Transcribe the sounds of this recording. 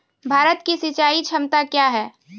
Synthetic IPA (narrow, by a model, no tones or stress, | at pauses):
bʱaːɾət̪kisit͡ʃaːit͡ʃʰɐmt̪akjaːɦɛː